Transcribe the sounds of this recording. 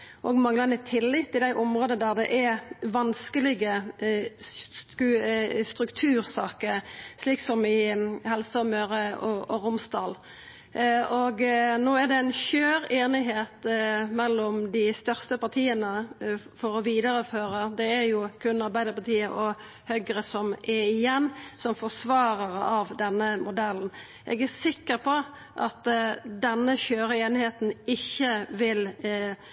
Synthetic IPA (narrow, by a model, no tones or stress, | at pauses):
ʔɔɡmɑŋlɑnɪt̪ʰɪlːɪt̪ːɪd̪æɪʔʊmʁoːd̪əəd̪æʁd̪ɛ̰ʔæʋɑnskəlɪɡə | kʉst̪ɾʉkt̪ʰʉːɾsɑːkəɾʂliːksɔmɪhɛlsəɔmøːʁəɔʔɔʁʊmsd̪ɑːl | ɔɡnoːæʁd̪ɛæɪnçøːɾeːnɪɦeːt̪mɛlːɔmd̪ɪst̪œʁst̪əpɑʁt̪ʰiːənə | fɔɾɔʋiːd̪əɾəføːɾəd̪ɛæɾjʊkʰʉnːɑɾbæɪd̪əpɑʁt̪ʰiːəʔɔ | hœɡəɾəsɔmʔɛɪjɛnːsɔmfɔsʋɑːɾəʁəɑʋd̪ɛnːəmʊd̪ɛlːn̩ | ʔɛ̰ɡæsɪkːəɾpʰɔ | ʔɑt̪d̪ɛnːəçøːɾəeːnɪheːt̪n̩ɪçːəʋɪl